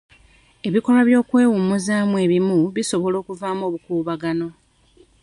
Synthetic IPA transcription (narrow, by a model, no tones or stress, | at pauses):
e̞βiko̞laβjo̞ːkwe̞ːwumuzaːmuwe̞ːβimuβiso̞βo̞lo̞ːkuvaːmo̞ːβukuːβaɡano̞